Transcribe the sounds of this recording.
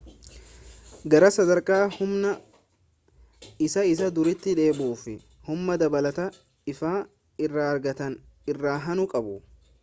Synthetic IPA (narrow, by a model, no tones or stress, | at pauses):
ɡɐɾɐsɐd̪ɐɾkʼaːhʊmnɐ | ɪsɐɪs̬ɐd̪ʊɾɪt̪ːɪᶑe̞ːbuːfɪ | hʊmːɐd̪ɐbɐlɐt̪ɐ | ɪfaː | ɪrːaːɐɾɡɐt̪ɐn | ɪrːaːɦɐnʊkʼɐbʊ